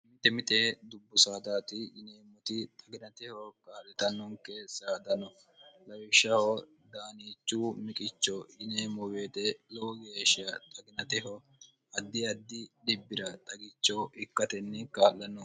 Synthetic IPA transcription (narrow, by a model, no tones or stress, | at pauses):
mɪt̪ɛmɪt̪ʼed̪ʊbːʊsaːd̪aːt̪ɪʔɪneːmɔt̪ɪt̪ʼɐɡɪnɐt̪ɛhɔkʼaːlːɪt̪ɐnːɔŋkɛsaːd̪ɐnɔ | lɐwɪʃːɐhɔ | d̪aːniːt͡ʃːuːmɪkʼɪt͡ʃːɔɪneːmɔbeːt̪ɛlɔwɡeːʃɪjɐt̪ʼɐɡɪnɐt̪ɛɦɔ | ɐd̪ːɪɐd̪ːɪdɪbːɪɾɐt̪ʼɐɡɪt͡ʃːɔʔɪkːɐt̪ɛnːɛkaːlːɐnːɔ